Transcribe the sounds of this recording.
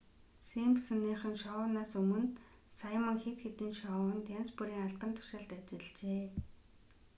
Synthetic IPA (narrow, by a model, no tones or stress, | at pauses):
simpsanːiːχə̆nʃɔwʊnaːsɵmɵ̆nt̪ | sajmə̆ŋxet̪xet̪ĭːnʃɔʊ̆nt̪janspuɾiːŋaɮpə̆nt̪ʰʊ̥ʃăːɮt̪at͡ɕɪ̆ɮt͡ɕeː